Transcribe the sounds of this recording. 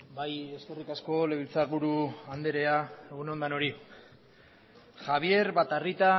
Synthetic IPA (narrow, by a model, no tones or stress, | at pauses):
baje̞ske̞rikasko̞le̞β̞ilt͡saɾβuɾuand̪e̞ɾe̞ae̞ɣ̞uno̞nd̪ano̞ɾi | xaβie̞ɾβat̪arit̪a